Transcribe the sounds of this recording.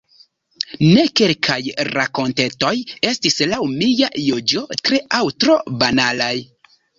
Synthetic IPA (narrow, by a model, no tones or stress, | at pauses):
ne̞kelkʰajɾako̞nte̞to̞je̞stislawmijajod͡ʒo̞tɾe̞ʔawtɾo̞banalaj